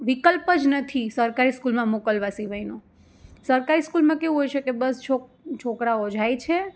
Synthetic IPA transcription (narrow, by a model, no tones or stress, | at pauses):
ʋikəlpəd͡ʒnət̪ʰisəɾkaɾiskulmãmokəlʋasiʋəjno | səɾkaɾiskulmãkeũɦojʃekebəst͡ʃʰo | t͡ʃʰokɾaod͡ʒʱajt͡ʃʰe